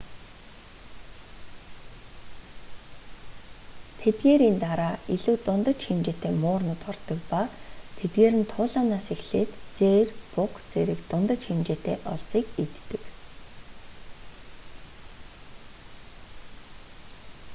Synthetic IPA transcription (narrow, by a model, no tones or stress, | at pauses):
t̪ʰet̪ɡeːɾiːnt̪aɾaːiɮuːt̪ʊnt̪ə̆t͡ɕximt͡ɕet̪eːmʊːrnʊ̆t̪ɔrt̪ɞ̆kpat̪ʰet̪ɡeːɾɘ̆nt̪ʰʊːɮaːnaːsexɬeːt̪t͡seːrpʊkt͡seɾɘ̆kt̪ʊnt̪ə̆t͡ɕximt͡ɕeːt̪eːʔɔɮt͡siːkit̪ːɘ̆k